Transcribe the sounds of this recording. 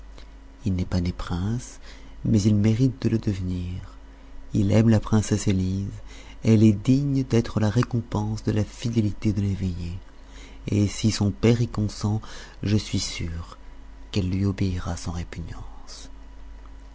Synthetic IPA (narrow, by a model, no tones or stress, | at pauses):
ilnɛpanepχɛ̃s | mɛzilmeʁit̪̚d̪ələd̪əvniʁ | ilɛmlapχɛ̃sɛseliz | ɛlɛd̪iɲd̪ɛt̪χəlaʁekɔ̃pɑ̃sd̪əlafid̪elit̪ed̪əleveje | esisɔ̃pɛʁɛkɔ̃sɑ̃ | ʒəsɥisyʁ | kɛlːɥiobeiʁasɑ̃ʁepynjɑ̃s